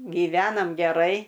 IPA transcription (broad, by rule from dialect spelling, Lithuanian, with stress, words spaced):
ɡʲiːˈʋʲæːnɐm ɡʲɛˈrɐɪ